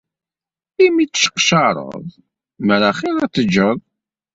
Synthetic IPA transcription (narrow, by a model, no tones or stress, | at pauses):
imit͡sːə̥ʃə̥qʃɑɾˤə̰ðˤ | məɾæχilæt͡sːəd͡ʒːəðˤ